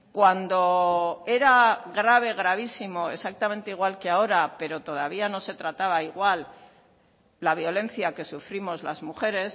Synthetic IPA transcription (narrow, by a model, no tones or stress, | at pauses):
kwand̪o̞e̞ɾaɣɾaβ̞e̞ɣ̞ɾaβ̞isimo̞e̞sak̚t̪amẽ̞nt̪eiɣwalke̞ao̞ɾape̞ɾo̞t̪o̞ð̞aβ̞iano̞se̞t̪ɾat̪aβaiɣwal | aβ̞jo̞le̞nθjake̞sufɾimo̞zlazmuxe̞ɾe̞s